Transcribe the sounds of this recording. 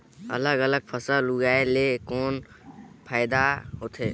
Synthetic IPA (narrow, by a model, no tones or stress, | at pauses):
ə̰ləɡələɡ̚pʰəsəluɡaːelekɔːn | pʰaːɪd̪aɦoːt̪ʰeː